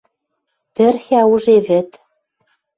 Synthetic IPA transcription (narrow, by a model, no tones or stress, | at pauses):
pɘ̆rxæuʒeβɘ̆t̪